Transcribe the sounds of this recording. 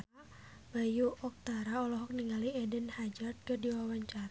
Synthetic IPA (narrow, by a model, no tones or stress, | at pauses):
a | b̥ajuʔɔk̚t̪aɾaɔlɔɦɔk̚niŋaliɛdənhad͡ʒart̪̚kərdiwawaɲt͡ʃaɾa